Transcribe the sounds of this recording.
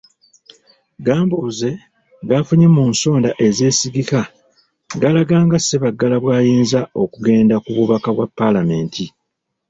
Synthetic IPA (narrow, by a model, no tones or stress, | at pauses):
ɡaːmbuze̞ | ɡafuɲemuːnso̞ːndaʔe̞ze̞ːsiɡika | ɡalaɡaːŋɡase̞βaɡːalaβwaːjiːnzao̞kuɡe̞ːndakuβuβakaβwapːalame̞ːntʰi